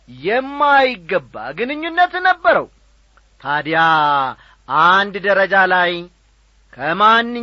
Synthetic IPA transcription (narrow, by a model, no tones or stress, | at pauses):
jɛmːajɪɡːəbːa̰ɡɨnɨɲːunːət̪nəbːəɾəw | t̪ʰad̪ja | and̪d̪əɾəd͡ʒalaj | kʰəmanːɨ